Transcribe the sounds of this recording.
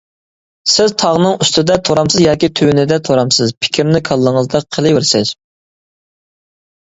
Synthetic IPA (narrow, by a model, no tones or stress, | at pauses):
sɪzt̪ʰɑʁnɨŋyst̪ɨd̪ɛt̪ʰoɾɑmsɨzjɑːkʲit̪ʰøwnɪd̪ɛt̪ʰoɾɑmsɨzpʰɪ̥kʲʰɾnɪkʰɑlˠːəŋəzd̪ɑqʰːəlˠɨɪɾsɪz̥